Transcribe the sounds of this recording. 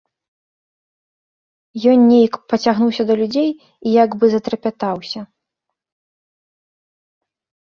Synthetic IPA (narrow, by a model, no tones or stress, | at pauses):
jɔnnʲejɐkpɐt͡sʲaɣnuwsʲɐd̪ɐlʲud͡zʲej | ijaɡbɨzɐt̪ɾɐpʲat̪awsʲɐ